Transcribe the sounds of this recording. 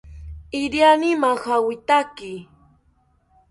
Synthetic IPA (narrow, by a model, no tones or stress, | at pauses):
ɪɾjanɪmahawɪt̪akɪ